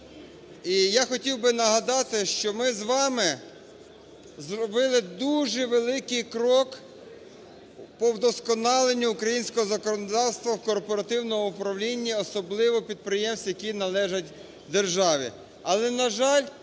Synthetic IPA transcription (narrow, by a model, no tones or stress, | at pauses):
ijaxɔtʲiwbɪnɐɦɐd̪ɑt̪ɪʃt͡ʃɔmɪzʋɑmɪ | zrɔbɪlˠɪd̪uʒɛʋelˠɪkɪjkɾɔk | pɔwd̪ɔskɔnɑlˠenʲːuːkɾɐjinʲsʲkɔɦɔzɐkɔnɔd̪ɑwst̪ʋɐwkɔrpɔɾɐt̪ɪwnɔɔupɾɐwlʲinʲːiɔsɔblˠɪʋɔpʲid̪̚pɾɪjɛmsʲt̪ʲjɐkʲinɐlˠɛʒɐtʲ | d̪erʒɑʋʲḭ | ɐlˠɛnɐʒɑlʲ